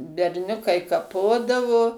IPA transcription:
bʲɛrʲˈnʲʊkɐɪ kɐˈpoːdɐʋoː

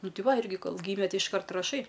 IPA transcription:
ˈnʊ ˈtʲɪ ˈʋɐ ˈɪrʲɡʲɪ ˈkoːlˠ ˈɡʲiːmʲɛ ˈtʲɪ ɪʃˈkɐrt rɐˈʃɐɪ

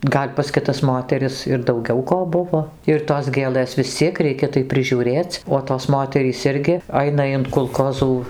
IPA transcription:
ˈɡɐlʲ pɐs kʲɪˈtɐs ˈmoːtʲɛrʲɪs ɪr dɐʊˈɡʲɛʊ ˈkoː ˈbʊʋoː ɪr toːs ˈɡʲeːlˠɘs ʋʲɪs ˈt͡sʲiɛk ˈrʲɛɪkʲɛ tɐɪ pʲrʲɪʒʲuːˈrʲeːt͡sʲ oː toːs ˈmoːtʲɛrʲiːs ˈɪrʲɡʲɪ ˈɐɪnɐ ɪn kʊlˠˈkoːzuː

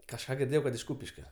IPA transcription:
kɐʃˈkɑː ɡʲɪrʲˈdʲeːjɛʊ kɐt ɪʃ ˈkuːpʲɪʃʲkʲoː

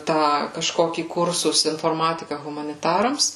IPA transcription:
ˈtɑː kɐʃˈkoːkʲiː ˈkʊrsʊs ɪnfoːrˈmɑːtʲɪkɐ ɣʊmɐnʲɪˈtɑːrɐms

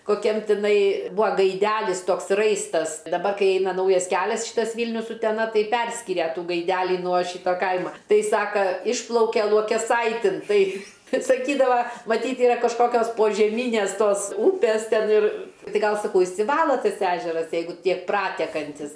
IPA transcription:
koːˈkʲɛm tʲɪˈnɐɪ ˈbʊɐ ɡɐɪˈdʲælʲɪs ˈtoːks ˈrɐɪstɐs dɐˈbɐr ˈkɐɪ ˈɛɪnɐ ˈnɐʊjɛs ˈkʲæːlʲɛs ˈʃʲiːtɐs ˈʋʲiːlʲnʲʊs ʊtʲɛˈnɐ ˈtɐɪ ˈpʲɛrʲsʲkʲɪrʲɛ ˈtuː ɡɐɪˈdʲælʲiː nuɔ ˈʃʲiːtɐ ˈkɐɪmɐ ˈtɐɪ ˈsɑːkɐ ˈɪʃplˠɐʊkʲɛ lˠuɔkʲɛˈsɐɪtʲɪn ˈtɐɪ ˈtɐɪ sɐˈkʲiːdɐʋɐ mɐˈtʲiːt ˈiːrɐ kɐʃˈkoːkʲoːs poːʒʲɛˈmʲiːnʲeːs ˈtoːs ˈuːpʲeːs ˈtʲɛn ɪr ˈtɐɪ ˈɡɐlˠ sɐˈkɐʊ ɪʃʲsʲɪˈʋɑːlˠoː ˈtɐs ˈæːʒʲɛrɐs ˈjɛɪɡʊ ˈtʲiɛk ˈprɑːtʲɛkɐnʲtʲɪs

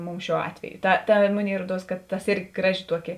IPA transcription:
ˈmʊms ˈʃʲuɔ ˈɑːtʲʋʲɛjʊ ˈtɐ ˈtɐ ˈmʊˌnʲeːɪ ˈruɔˌduɔs kɐt tɐs ˈɪrʲɡʲɪ ˈɡrɑːˌʒʲɪ ˈtuɔˌkʲɪ

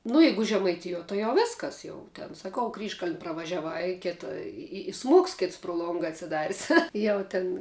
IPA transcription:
nʊ ˈjɛɪɡʊ ʒʲɛmɐɪˈtʲɪjuɔ tɐɪ jɛʊ ˈʋʲeːskɐs ˈjɛʊ tʲɛn sɐˈkɐʊ ˈkrʲiːʃkɐlʲnʲ prɐʋɐʒʲɛˈʋɐɪ ɪ ˈkʲeːtɐ ɪ ɪ ɪ ˈsmuɔks ˈkʲeːts prʊ ˈlˠoːŋɡɐ ɐtʲsʲɪˈdɑːrʲɪs ˈjɛʊ ˈtʲɪn

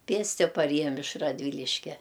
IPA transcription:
ˈpʲeːsʲtʲɪ pɐˈrʲeːjɛm ɪʃ rɐdʲˈʋʲiːlʲɪʃʲkʲɛ

